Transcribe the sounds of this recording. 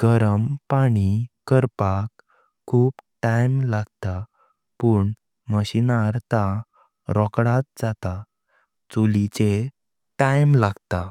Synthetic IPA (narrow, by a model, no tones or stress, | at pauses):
ɡ̥əɾəmpaɽ̃ikəɾpak | kʰːuːpʈajmlaɡt̪a | pəːɳ | məɕinaɾt̪a | ɾɔkɽat̪̚d͡zat̪a | t͡sulit͡ɕe | ʈajmlaɡt̪a